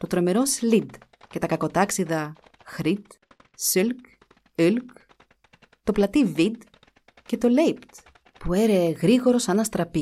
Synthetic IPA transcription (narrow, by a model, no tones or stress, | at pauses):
t̪o̞t̪ɾo̞me̞ɾo̞slid̪ce̞t̪ɐkɐko̞t̪ɐksiðɐ | xɾit̪ | silk | ylk | t̪o̞plɐt̪ivid̪ | ce̞t̪o̞lejpt̪ | pue̞ɾeɣɾiɣo̞ɾo̞sɐnɐst̪ɾɐpi